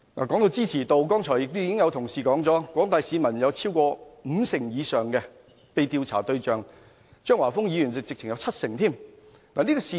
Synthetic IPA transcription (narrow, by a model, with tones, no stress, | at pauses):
na̰ː˨kɔː˨˥ŋt̪o˧wt͡siː˥t͡sʰiː˨˩t̪o˨wkɔː˥ŋt͡ʃʰɔː˨˩jɪ˨k̚t̪jiː˧˥kɪ˥ŋjɐ˨˧wt̪ʰʊ˨˩ŋsiː˨˩kɔː˨˥ŋt͡sɔː˨˥kʷɔː˨˥ŋt̪aː˨˧jsiː˨˧mɐ˨˩njɐ˨˧wt͡sʰiː˥wkɔː˧m̩˨˧sɪ˨˩ŋjiː˨˧sœː˨˩ŋkɛ˧ | pe˨˧jt̪iː˧wt͡sʰa̰ː˨˩t̪ɵ˧ɥt͡ʃœː˨ŋ | t͡ʃœː˥ŋwaː˨˩fʊ˥ŋjiː˨˧jy˨˩nt͡sɪ˨k̚t͡sɪ˨k̚t͡sʰɪ˨˩ŋjɐ˨˧wt͡sʰɐ˥t̚sɪ˨˩ŋt̪ʰiː˥˩m | naː˨˩niː˥kɔ˧siː˧